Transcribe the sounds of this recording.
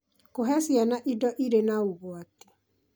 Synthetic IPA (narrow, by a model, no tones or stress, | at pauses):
koɦɛsianaʔidɔʔiɾenauɣoati̥